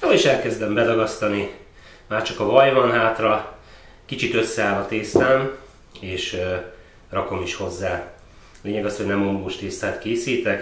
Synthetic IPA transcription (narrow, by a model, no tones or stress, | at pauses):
oiʃɛlkɛzd̪ɛmbɛd̪ɒɡɒst̪ɒni | maːrt͡ʃɒkɒvɒjvɒnɦaːt̪rɒ | kit͡ʃit̪ø̞sːɛaːlɒt̪eːst̪aːn | eːʃ | rɒko̞miʃho̞zːaː | leːɲɛɡɒsho̞ɟnɛmoŋɡoːʃt̪eːst̪aːt̪keːsiːt̪ɛk